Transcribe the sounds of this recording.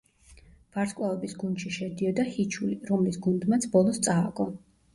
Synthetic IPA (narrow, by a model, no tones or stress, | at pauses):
v̥aɾt̪skʼwaɔbisɡund̪ʃiʃɛd̪iɔd̪ahit͡ʃʰuliɾɔmlisɡund̪mat̪sʰbɔlˠɔst̪sʼaːkʼɔ